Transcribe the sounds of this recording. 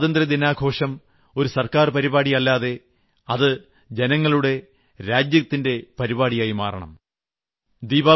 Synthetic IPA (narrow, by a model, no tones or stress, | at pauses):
ðɐnd̪rɐd̪inaːɡʱo̞ːʂɐm | o̞ɾusɐrkaːrpɐɾiβaːɽijɐlːaːðe̞ | ɐðɨ | d͡ʑenɐŋːɐɭuɽe̞ | ɾaːd͡ʑjɐt̪ːinde̞pɐɾiβaːɽijaːjimaːrɐɳɐ̰m | d̪iːbaː